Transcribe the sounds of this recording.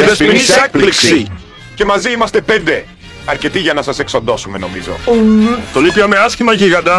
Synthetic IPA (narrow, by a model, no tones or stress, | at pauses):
eðesinisekliksi | cemɐziimɐst̪epend̪e | ɐɾcet̪iʝɐnɐsɐseksond̪osumenomizo̰ut̪olipiɐmeasçimɐʝiɣɐd̪ɐ